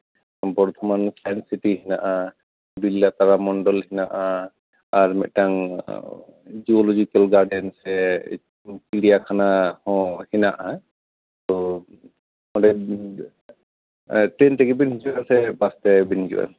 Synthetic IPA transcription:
pɔɹt̪ʰɔmansajnsitiɦinaʔa | bilːat̪aɹamɔndɔlhinaʔa | aɹmɛtaŋ | d͡ʒiɔlɔzikɛlɡaɹdɛnsɛ | piɾijakʰanahɔ̃hinaʔa | t̪ɔ | mɔdɛ | tɹentɛkibinizuasɛbastɛbinizṵwa̰

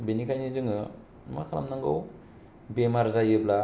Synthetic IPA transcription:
benikʰajnizɯŋɯ | ma̰kʰala̰mnaŋɡɯw | bemaɾzajɯbla

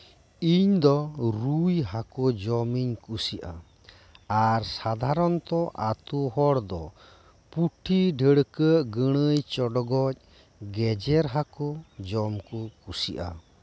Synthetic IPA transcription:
iɲd̪ɔɾujɦakɔd͡ʒɔmiɲkusiʔa̰ | aɾsad̪ʱaɾɔnt̪ɔʔat̪uɦɔɽd̪ɔ | puʈʰiɖʱəɽkəʔɡəɽ̃əjt͡ʃɔɖɔɡɔc̚ˀ | ɡɛd͡ʒɛɾɦakɔd͡ʒɔmkɔkusiʔa̰

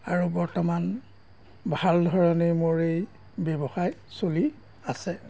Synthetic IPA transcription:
aɹubɔɹtɔman | bʱaldʱɔɹɔnejmuɹej | bɛbɔxajsoli | asɛ

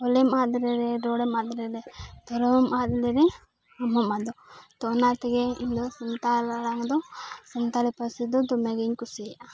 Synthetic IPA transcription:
ɔlɛmad̪ɾɛɾɛɖɔɽɛmad̪ɾɛɾɛd̪̥ɔɾɔmad̪lɛɾɛ | amɔmad̪ɔt̪ɔːnat̪ɛɡɛiɲd̪ɔsɔnt̪alaɽaŋd̪ɔsənt̪alɛpasid̪ɔd̪ɔmɛɡɛɲkusiɾɛʔa

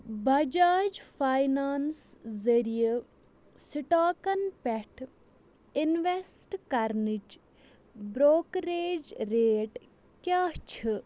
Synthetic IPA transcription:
bɐd͡ʒaːd͡ʒfʰajnaːnszɐɾijə | siʈaːkɐnpɛʈʰ | inʋesʈkɐɾnit͡ʃ | bɾoːkɾeːd͡ʒɾeːʈ | kjaːt͡ʃʰɨ

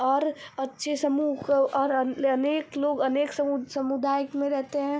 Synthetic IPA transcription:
ɔːɾɐtːʃʰesɐmuːɔɾɐneːkloːɡɐneːksɐsɐmud̪aːjəkmẽɾɛɦt̪eɦɛ̃

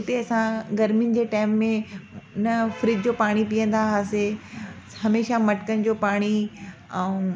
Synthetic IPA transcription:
ʊt̪eɐsãɡɐɾmijʊnɪ̆d͡ʑeːʈaːɪmːẽnɐfɾɪd͡ʑd͡ʑopaːɽ̃ipijə̃nd̪aɦaːse | hɐmeːʃamɐʈkənɪ̆d͡ʑopaːɽ̃iɛũ

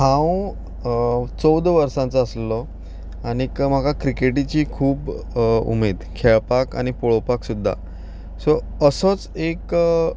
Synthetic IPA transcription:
ɦãw | t͡sɔwd̪ʋəɾsãnt͡səəslɔ | aɽ̃ikm̤akʰakɾikeʈit͡ɕiːkʰuːb | ṵmed̪kʰɛɭpaka̰ñipoɭopaksud̪ʱːa̰ | sɔ | əsɔt͡sek

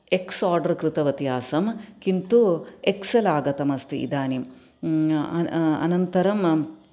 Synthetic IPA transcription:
eksaːɾɖɐɾkɾit̪ɐʋɐt̪ijaːsɐmkint̪ueksɐlaːɡɐt̪ɐmɐst̪iḭd̪aːnim | ɐɐ̰nɐnt̪ɐɾɐm

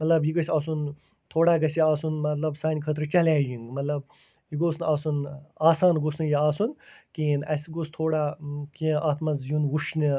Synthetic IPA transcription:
mɐt̪lɐbjiɡɐsʲaːsun | t̪ʰoːɽaːɡɐsʲiaːsunmɐt̪lɐbsaːnʲkʰət̪̬ɾɨt͡ʃɐlaːjiŋɡmɐt̪lɐb̚ | jiɡoːsnaːsunaːsaːnɡosnɨjiaːsunkiːnɐsʲɡost̪ʰoːɽakĩʔaːt̪ʰmɐzjunwuʃnɨ

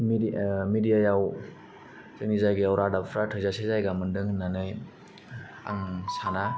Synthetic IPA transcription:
mmidijajaw | zɯnizajɡɯjawɾadapʰɾatʰɯzasezajɡamɯndɯŋɯnːanɯj | a̰ŋsana

